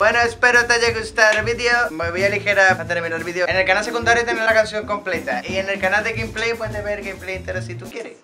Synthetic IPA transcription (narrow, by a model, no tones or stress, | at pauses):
bwe̞noespeɾot̪aʝeɣust̪aɾβiðeomeβialixe̞ɾaat̪eɾmĩnaɾβiðeoene̞lkanalse̞kund̪aɾjot̪enelakansjoŋko̞mple̞t̪aʔie̞ne̞lkanald̪eɣejmplejpwend̪eβeɾɣejmplejnt̪eɾasit̪ukjeɾes